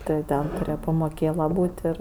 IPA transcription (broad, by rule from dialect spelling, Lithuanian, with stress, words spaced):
ˈtʲɪ jɛʊ ˈtʲɛn tʊˈrʲeːjɛ pɐmoːˈkʲeːlˠɐ ˈbuːtʲ ˈɪr